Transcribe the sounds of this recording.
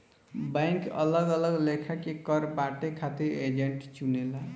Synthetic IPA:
bajŋkʌ̰lʌɡʌlʌɡlekʰakekʌɾbaʈekʰat̪iɾed͡ʒeɳʈt͡ʃunela

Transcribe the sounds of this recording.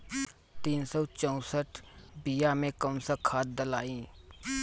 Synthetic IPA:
t̪iːnsɔt͡ʃə̃ʊ̃səʈbijamẽkəmsəkʰaːt̪̚d̪əlaːĩː

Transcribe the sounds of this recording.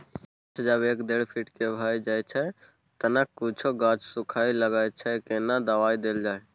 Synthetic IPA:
t͡ʃʰd͡ʒəbekd̪eɽpʰiʈkebʱajd͡ʒajt͡ʃʰɛ | t̪ənəkːut͡ʃʰoɡãt͡ʃsukʰailəɡajt͡ʃʰɛkenad̪əʋaid̪eld͡ʒae

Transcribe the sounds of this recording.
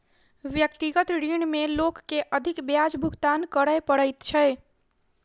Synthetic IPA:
ʋjək̚t̪iɡət̪ɾiɳmelokːeʔəd̪ʱikbjad͡ʒbʱuɡt̪ankəɾəjpəɽəjt̪t͡ʃʰəj

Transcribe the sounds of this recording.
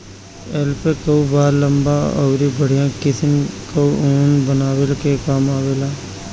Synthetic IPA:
ɛlpekəubaːɾlə̃mbaɔ̰ːɾibəɽ̤ijãkɪsənkəuoːnbənaːwelkekaːmaːweːlaː

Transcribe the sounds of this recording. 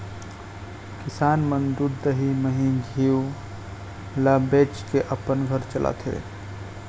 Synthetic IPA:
kisaːnmənd̪uɾd̪əɦiməɦid͡ʒʱiw | labet͡ʃkeʔəpənɡʱəɾt͡ʃəlʔa̰t̪ʰḛ

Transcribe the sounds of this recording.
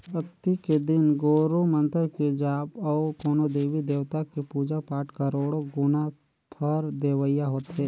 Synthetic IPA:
pɾəkt̪iked̪ɪnɡoːɾomə̃nt̪əɾked͡ʒaːpɔːkoːnod̪eːʋid̪eːʋt̪akepuːd͡ʒapaːʈʰkɐɾoːɽoɡʊna | pʰəɾd̪eːʋəjaɦoːt̪ɦɛː

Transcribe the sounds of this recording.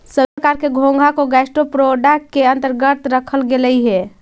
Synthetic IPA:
səkaɾkeɡʱõŋɡʱakoɡasʈopɾoɖəʈkeənt̪əɾɡət̪ɾəkʰəlɡeləiɦɛ

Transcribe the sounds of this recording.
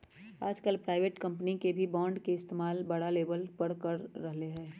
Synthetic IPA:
aːd͡ʒkəlpɾaːɪʋeːʈkɐ̃mpnikebʱibãːɳɖkeɪst̪eːmaːlbɐɽaleːbəlpɐɽkɐɾːɐɦleɦɛ̃ː

